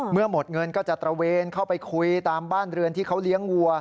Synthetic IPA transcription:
mɯ˥˩ɐmo˨˩t̪̚ŋɤ˧nkɔː˥˩t͡ɕa˨˩t̪ɾa˧weː˧nkʰa˥˩wpa˧jkʰu˧jt̪aː˧mbaː˥˩nɾɯ˧ənt̪ʰiː˥˩kʰa˦˥wli˦˥əŋwu˧ɐ

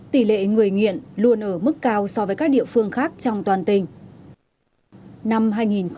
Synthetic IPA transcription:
t̪i˧˩lḛ˧˨ŋɨ˨˩əjŋḭ˧˨ənlu˧ənʔəː˧˩mɨ˦˥kːaː˧wsɔ˧vəː˨˦kaː˦˥k̚ɗḭ˧˨əfɨ˧əŋxaː˦˥k̚t͡ɕɔ˧wŋ͡mt̪waː˨˩nt̪ï˨˩ŋ̟ | na˧mɦaː˧jŋi˨˩nx

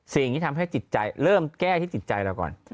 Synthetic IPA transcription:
si˨˩ŋt̪ʰiː˥˩a˧mɦa˥˩jt͡ɕi˨˩t̪̚t͡ɕa˧jɾɤː˥˩mkɛː˥˩t̪ʰiː˥˩t͡ɕi˨˩t̪̚t͡ɕa˧jlɛː˧wkɔ̰ː˨˩n

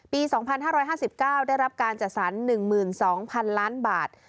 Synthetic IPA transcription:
piː˧sɔː˩˦ŋpʰa˧nhaː˥˩ɾɔː˦˥jɦaː˥˩si˨˩p̚kaː˥˩wda˥˩jɾa˦˥p̚kaː˧nt͡ɕa˨˩t̪̚sa˩˦nːɯ˨˩ŋmɯː˨˩nsɔː˩˦ŋpʰa˧nlaː˦˥nbaː˨˩t̪̚

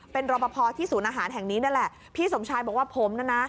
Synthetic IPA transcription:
pe˧nɾɔː˧pa˧pʰɔː˧t̪ʰiː˥˩suː˩˦nʔaː˧ɦaː˩˦nɦɛ˨˩ŋniː˦˥na˥˩˨lɛ˨˩ʔ | pʰiː˥˩so˩˦mt͡ɕʰaː˧jbɔː˨˩k̚waː˥˩pʰoː˩˦mna˥˩˨na˦˥

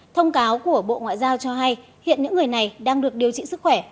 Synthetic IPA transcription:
t̪ʰə˧wŋ͡mkaː˨˦wku˧˩əɓo̰˧˨ŋwa̰ː˧˨jzaː˧wt͡ɕɔ˧ɦa˧j | hḭ˧˨ənɲɨ̰˧˥ŋːɨ˨˩əjna˨˩jɗaː˧ŋɗɨ˨˩ək̚ɗi˨˩əwt͡ɕḭ˧˨sɨ˦˥k̚xwɛ˧˩

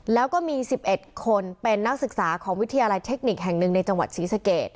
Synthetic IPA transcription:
lɛː˦˥wkɔː˥˩miː˧si˨˩p̚ʔe˨˩t̪̚kʰo˧npe˧nːa˦˥k̚sɯ˨˩k̚saː˩˦kʰɔː˩˦ŋwi˦˥t̪ʰa˧jaː˧la˧jt̪ʰe˦˥k̚ni˨˩k̚ɦɛ˨˩ŋnɯ˨˩ŋna˧jt͡ɕa˧ŋwa˨˩t̪̚siː˩˦sa˧keː˨˩t̪̚

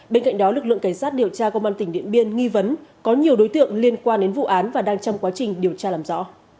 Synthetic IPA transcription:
ɓe˧nka̰˧˨jŋ̟ɗɔ˨˦lɨ˨˩k̚lɨ̰˧˨ŋka˧˩ŋsaː˦˥t̚ɗi˨˩əwt͡ɕaː˧kə˧wʔaː˧t̪ï˩ŋ̟ɗḭ˧˨ənɓi˧ənŋi˧və˨˦nkɔ˨˦ɲi˨˩əwɗo˨˦jt̪ɨ̰˧˨əŋli˧ənkwaː˧nɗe˨˦nvṵ˧˨ʔaː˨˦nvaː˨˩ɗaː˧ŋt͡ɕɔ˧wŋ͡mkwaː˨˦t͡ɕï˨˩ŋ̟ɗi˨˩əwt͡ɕaː˧laː˨˩mzɔ̰˧˥˨

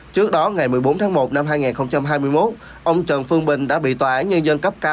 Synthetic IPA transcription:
t͡ɕɨ˦˥ək̚ɗɔ˨˦ŋa˨˩jmɨ˨˩əjɓo˨˦nt̪ʰaː˨˦mo˨˩t̚na˧mɦaː˧jŋaː˨˩nxə˧wŋ͡mt͡ɕa˧mɦaː˧jmɨ˧əjmo˦˥t̚ | ʔə˧wŋ͡mt͡ɕə˨˩nfɨ˧əŋɓï˨˩ŋ̟ɗa̰ː˧˥ɓḭ˧˨t̪waː˨˩ʔaː˨˦nɲə˧nzə˧nkə˦˥p̚kaː˧

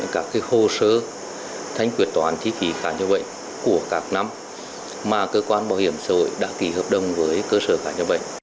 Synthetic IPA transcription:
kaː˦˥kːaː˨˦jho˧səː˧ | t̪ʰa˧jŋ̟kwi˨˩ət̪waː˨˦nt̪ʰi˧˥ki˨˦xaː˧˩ɲə˧ɓə̰˧˨jŋ | ku˧˩əkaː˦˥k̚na˧m | maː˨˩kəː˧kwaː˧nɓaː˧˩whi˧˩əmsaː˧˩ho̰˧˨jɗa̰ː˧˥ki˨˩həː˧˩p̚ɗə˧wŋ͡mvəː˨˦jkəː˧səː˧˩xaː˧˩ɲə˧ɓə̰˧˨jŋ̟

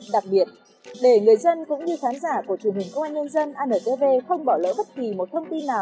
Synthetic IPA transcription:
ɗa˨˩k̚ɓi˨˩ət̚ | ɗe˧˩ŋɨ˨˩əjzə˧nkʊ̰˧˥ŋ͡mɲɨ˧xaː˨˦nzaː˧˩ku˧˩ət͡ɕəŋhï˨˩ŋkə˧waː˧nɲə˧nzə˧nʔaː˧nəː˨˩t̪e˧ve˧xə˧wŋ͡mɓɔ˧˩lə̰ː˧˥ɓə˦˥t̚ki˨˩mo˨˩t̚t̪ʰə˧wŋ͡mt̪i˧nːaː˨˩w

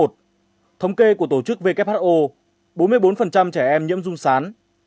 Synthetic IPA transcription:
o˨˩t̚ | t̪ʰə˧wŋ͡mke˧ku˧˩ət̪o˧˩t͡ɕɨ˦˥k̚ve˧kɛ˦˥p̚haː˦˥ʔo˧ | ɓo˨˦nmɨ˧əjɓo˨˦nfə˨˩nt͡ɕa˧mt͡ɕɛː˧˩ʔɛ˧mɲḭ˧˥əmzʊ˧ŋ͡msaː˨˦n

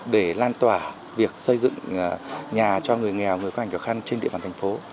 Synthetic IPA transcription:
ɗe˧˩laː˧nt̪waː˧˩ | vi˨˩ək̚sə˧jzɨ̰˧˨ŋ | ɲaː˨˩t͡ɕɔ˧ŋɨ˨˩əjŋɛ˨˩wŋɨ˨˩əjkːhkːaː˧˩xa˧ŋt͡ɕe˧nɗḭ˧˨ɓaː˨t̪ʰŋ̟fo˨˦

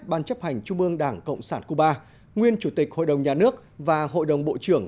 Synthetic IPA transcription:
ɓaː˧nt͡ɕə˦˥p̚ha˨˩jŋ̟t͡ɕʊ˧ŋ͡mʔɨ˧əŋɗaː˧˩ŋkə̰˧˨wŋ͡msaː˧˩nku˧˩ɓaː˧ | ŋwi˧ənt͡ɕu˧˩t̪i˨˩k̟̚ho̰˧˨jɗə˨˩wŋ͡mɲaː˨˩nɨ˦˥ək̚vaː˨˩ho̰˧˨jɗə˨˩wŋ͡mɓo̰˧˨t͡ɕɨ˧˩əŋ

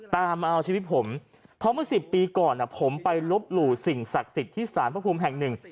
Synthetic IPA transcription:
t̪aː˧mːa˧ʔa˧wt͡ɕʰiː˧wi˦˥t̪̚pʰo˩˦m | pʰɔ˦˥mɯ˥˩ɐsi˨˩pːiː˧kɔː˨˩nːʔa˨˩pʰo˩˦mpa˧jlo˦˥p̚luː˨˩si˨˩ŋsa˨˩k̚si˨˩t̪ʰːiː˥˩saː˩˦npʰpʰuː˧mɦɛ˨˩ŋnɯ˨˩ŋ

